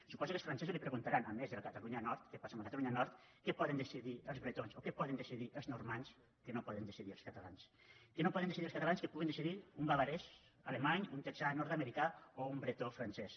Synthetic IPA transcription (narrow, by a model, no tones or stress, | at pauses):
supɔzukəlsfɾansɛzuzlipɾəɣunt̪aɾanamːezðələkat̪aluɲanɔɾt̪kepasaməkat̪aluɲanɔɾt̪kɛpɔðənd̪əsiðiəlˠzβɾet̪onsokɛpɔðənd̪əsiðiʔəlznuɾmans | kənopɔðənd̪əsiðiə̰lˠskat̪ala̰ns | kənopɔðend̪esiðiəlskat̪alanskepuɣind̪esiðiumbaβaɾɛs | alemaɲunt̪eksanɔɾt̪ameɾikaoumbɾet̪ofɾansɛs